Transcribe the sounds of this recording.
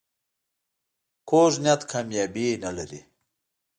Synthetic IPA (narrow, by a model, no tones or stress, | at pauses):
koʒnjat̪kʰaːmjaːbinalaɾḭ